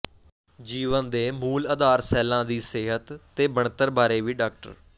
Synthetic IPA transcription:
d͡ʒiːʋənd̪eːmuːləd̪aːɾsɛːlãːd̪iːseːɦət̪ːeːbəɳt̪əɾbaːɾeːʋiːɖaːk̚ʈə̰ɾ

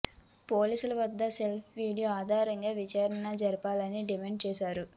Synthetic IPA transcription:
po̞ːliːsulɐʋɐd̪ːɐse̞lpʰʋiːɽijoaːd̪ʱaːɾɐŋɡaːʋit͡ʃaːɾɐɳɐd͡ʒɐɾipaːlɐniɖimeːɳɖt͡ʃɛːʃaːɾu

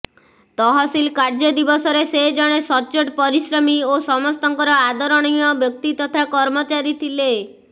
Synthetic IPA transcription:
t̪ɔɦɔsilkaɾd͡ʒɔd̪ibɔsɔɾesed͡ʒɔɽ̃esɔt͡ʃoʈpɔɾisɾɔmiosɔmɔst̪ɔŋkɔɾɔad̪ɔɾɔɽ̃ijɔbjɔk̚t̪it̪ɔt̪ʰakɔɾmɔt͡ʃaɾit̪ʰile

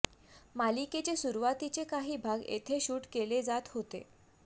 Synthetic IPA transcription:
maliket͡ɕesuɾuʋat̪it͡ɕekaɦiːbʱaɡḛt̪ʰeɕuːʈkeled͡zat̪hot̪ḛ

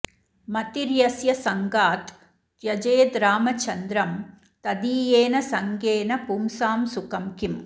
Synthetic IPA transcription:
mɐt̪iɾjɐsjɐsɐŋɡaːt̪ | jɐd͡ʒeːd̪ɾaːmɐt͡ʃːɐnd̪ɾɐm | t̪ɐd̪iːjeːnɐsɐŋɡeːnɐpumsaːmsʊkɐmkim

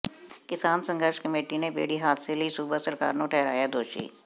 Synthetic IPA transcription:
kɪsaːnsə̃ŋɡəɾʃkəmeːʈinebḛːɽiɦaːd̪seləisuːbasəɾka̰ːɾnõʈʰɛːɾaːjad̪oːʃḭː

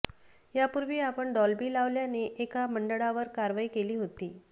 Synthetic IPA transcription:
japuɾʋiːapəɳɖɔlbiːlaʋljaneʔekaməɳɖəɭaʋəɾkaɾʋaiːkeliːɦot̪iː

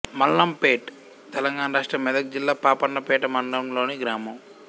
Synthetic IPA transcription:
mɐlːɐmpeːʈ | t̪ɛlɐŋɡaːnɐɾaːʂʈɾɐmɛd̪ɐk̚d͡ʒilːaːpaːpɐnːɐpɛːʈɐmɐɳlɐmlo̞ːniɡɾaːmɐm

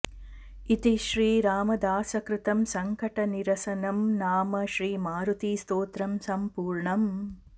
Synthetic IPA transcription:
it̪iʃɾiːɾaːmɐd̪aːsɐkɾɪt̪ɐmsɐŋkɐʈɐniɾɐsɐnɐmnaːmɐʃɾiːmaːɾut̪iːst̪oːt̪ɾɐmsɐmpuːɾɳɐm

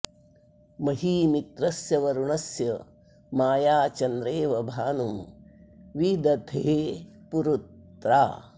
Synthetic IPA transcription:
mɐɦiːmit̪ɾɐsjɐʋɐɾuɳɐsjɐ | maːjaːt͡ʃɐnd̪ɾeːʋɐbʱaːnum | ʋid̪ɐd̪ʱʰeːpuɾut̪ɾa̰ː

